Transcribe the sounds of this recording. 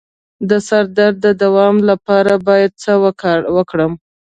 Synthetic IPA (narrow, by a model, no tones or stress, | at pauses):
d̪əsaɾd̪aɾd̪əd̪awɑmlapɑɾabɑjad̪̚t͡səwəwəkɽəm